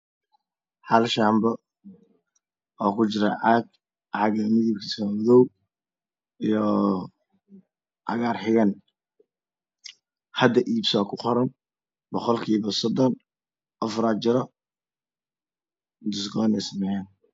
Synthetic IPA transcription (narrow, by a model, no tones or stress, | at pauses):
ħɑlʃaːmbɔ | ɔːkʰʊt͡ʃɪɾɐʕɑːɡ | ʕɑɣɐmɪðɪb̚kʰɐ̥sɔwɔðɔw | ijɔ | ʔɑ̰ɣaːrħɪɣɐn | hɐd̪ɐʔiːbsɔːkʰʊqɔɾɐn | bɔqɔlkʰiːβɐsɔd̪ɔn | ʔɐfɾaːt͡ʃɪɾɔ | d̪ʊs̬ɡɔːnɛsmɛjaːn